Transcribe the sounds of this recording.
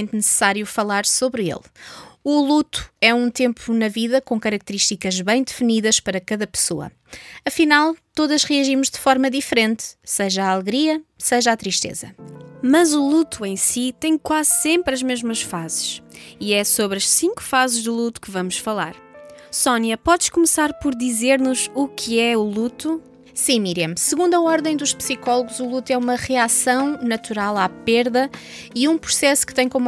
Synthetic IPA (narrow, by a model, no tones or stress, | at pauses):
nt̪nɨsɨ̥saɾjufɐlˠaɾsoβɾḛlˠulˠut̪u̥ɛũt̪ẽmpunɐviðɐkõkɐɾɐk̚t̪ɨɾiʃt̪ikɐʒβɐ̃j̃d̪ɨfɨniðɐʃpɐɾɐkɐðɐpɨ̥soɐ̰ | ɐfinalˠt̪oðɐʒʁiɐʒimuʒd̪ɨfɔɾmɐðifɾẽnt̪sɛʒɐaːlˠɣɾiɐsɛʒat̪ɾiʃt̪ḛzɐmɐzulˠut̪uẽj̃sit̪ɐ̃j̃kwazsẽmpɾɐʒmeʒmɐʃfazɨʃiɛsoβɾɐʃsĩŋku̥fazʒd̪ɨlˠut̪u̥kɨvɐmuʃfɐlˠa̰ɾ | sɔnjɐpɔðʃkumsaɾpɔɾðizeɾnuzukʰɨɛulˠut̪u | sĩmiɾɐmsɨɣũnd̪uɐɔɾðɐ̃j̃d̪uʃpsikɔlˠuɣuzulˠut̪uɛumɐʁɨasɐ̃w̃nɐt̪uɾalˠapeɾðɐ | iũpɾu̥sɛsu̥kɨt̪ɐ̃j̃kom